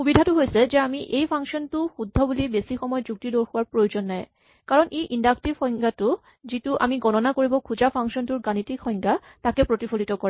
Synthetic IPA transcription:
xubidʱatʊɦojsɛzɛamiʔejpʰaŋsɔntʊxudʱːɔbulibesixɔmɔjɔzuk̚tidoɹxɔwaɹpɹojozɔnːaj | kaɹɔnʔeʔindaktibxɔjŋɡatʊ | zitʊʔa̰miɡɔnɔnakoɹibɔkʰuzapʰaŋkʃɔntʊɹɡanitikʰɔjŋɡatakɛpɹotipʰolitɔkɔɹɛ

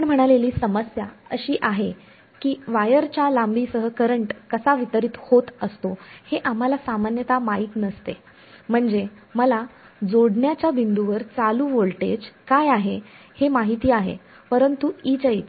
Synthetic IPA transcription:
əɳm̤əɽ̃aleliːsəməsjaəɕiːʔaɦe | kiːʋajəɾt͡ɕjalambiːsəɦəkəɾəɳʈkəsaʋit̪əɾiːt̪hot̪əst̪oheʔam̤alasamanjət̪amaɦiːt̪nəst̪ḛ | m̤əɳd͡ze | məla | d͡zoɽɳjat͡ɕjabind̪uʋəɾt͡saluːʋoɭʈed͡ʑkajaɦe | hemaɦit̪iːaɦḛ | pəɾənt̪uit͡ɕəḭːt͡s

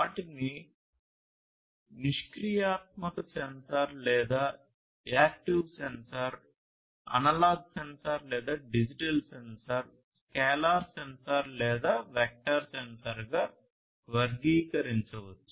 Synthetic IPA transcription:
aːʈini | niʂkɾijaːt̪̚mɐt̪ɐsensɐɾlɛːd̪aː | aːk̚ʈiʋsensɐɾ | ɐ̰nɐlaːɡsensɐɾlɛːd̪aːɖid͡ʒiʈɐlsensɐɾ | skɛːlaːɾsensɐɾlɛːd̪aːʋɛk̚ʈɐɾsensɐɾɡaː | ʋɐɾɡiːkɐɾiɲt͡ʃɐʋɐt͡ʃːu

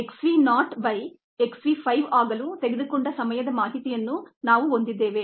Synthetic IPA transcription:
eksʋiːnaːʈʋɐj | eksʋiːpʰɐjʋaːɡɐlut̪e̞ɡed̪ukuɳɖɐsɐmɐjɐd̪ɐmaːɦit̪ijɐnːunaːʋuo̞nd̪id̪ːeːʋe̞ː

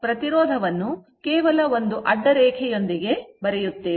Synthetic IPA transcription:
pɾɐt̪iɾɔːd̪ʱɐʋɐnːu | keːʋɐlɐo̞nd̪uʔɐɖːɐɾɛːkʰɛjo̞nd̪iɡe̞bɐɾɛjut̪ːeː

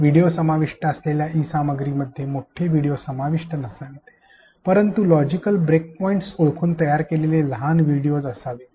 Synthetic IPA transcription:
ʋiɽijosəmaʋiʂʈəəsleljaʔiːsaməɡɾiːməd̪ʱːjemoʈʰeʋiɽijosəmaʋiʂʈənəsant̪e | pəɾənt̪ulɔd͡ʑikəlbɾek̚pɔiɳʈsoɭkʰuːnt̪əjaɾkeleleləɦanʋiɽijod͡zəsaʋe

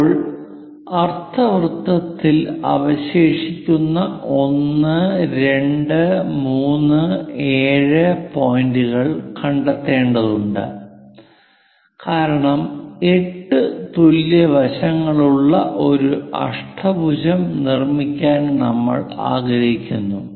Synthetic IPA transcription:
oɭ | ɐrt̪ʰɐʋrt̪ːɐt̪ːilɐ̰ʋɐɕe̞ːʂikʲːunːɐʔo̞nːɨɾe̞ɳɖɨmuːnːɨe̞ːɻɨpojnduɣɐɭkɐɳɖɐt̪ːe̞ːɳɖɐðuɳɖɨ̰ | kaːɾɐɳɐme̞ʈːɨt̪uljɐʋɐɕɐŋːɐɭuɭːɐʔo̞ɾuɐ̰ʂʈʰɐbud͡ʑɐmnirmikʲːaːnnɐ̰mːɐ̰ɭa̰ːɡɾɐɦikʲːunːu

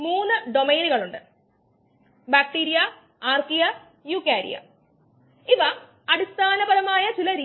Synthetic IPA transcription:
muːnːɨɖo̞mejnuɣɐɭuɳɖɨ | baːk̚ʈiːɾija | aːrkijɐ | juːkːaːɾḭjɐ̰ | iʋɐ | ɐɽist̪ʰaːnɐbɐðɐmaːjɐt͡ɕilɐɾiː

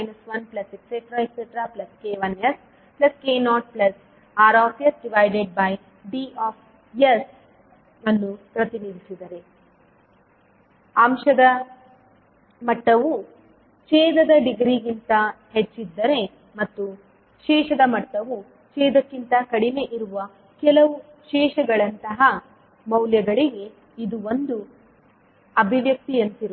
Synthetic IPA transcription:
mɐjnɐsʋɐnplɐsekseʈɾajkseʈɾaːplɐskeːʋɐnes | plɐskeːnɔːʈ̚plɐs | aːɾɔːsjɐsɖiʋajɖeɖ̚bɐj | ɖiɔːfʰ | jɐs | ɐnːupɾɐt̪inid̪isid̪ɐɾe | ɐmʃɐd̪ɐ | mɐʈːɐʋu | t͡ʃeːd̪ɐd̪ɐɖiɡɾiɡint̪ɐhet͡ʃːid̪ːɐɾe̞ | mɐt̪ːu | ʃɛːʂɐd̪ɐmɐʈːɐʋu | t͡ʃɛːd̪ɐkːint̪ɐkɐɽime̞ʔiɾuʋɐ | kɛlɐʋu | ʃɛːʃɐɡɐɭɐnt̪ɐɦɐ | mɐwljɐɡɐɭiɡe̞ | id̪uond̪u | ɐbʱiʋjɐk̚t̪ijɐnt̪iɾu

